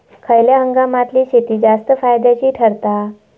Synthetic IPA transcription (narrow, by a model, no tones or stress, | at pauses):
kʰəjljaɦəŋɡamat̪liːɕet̪iːd͡zast̪əfajd̪at͡ɕiːʈʰəɾt̪a